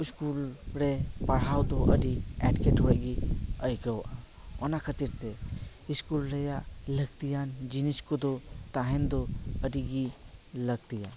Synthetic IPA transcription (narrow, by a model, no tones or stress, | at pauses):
iskulɾepɐɽ̤aːwd̪oʔəɖiɛʈkeʈɦoeɡiəjkəwa | ɔnakʰət̪iɾt̪e | iskulɾejaləɡt̪ijand͡ʒiniskod̪ot̪aɦend̪oədiɡiləɡt̪ijan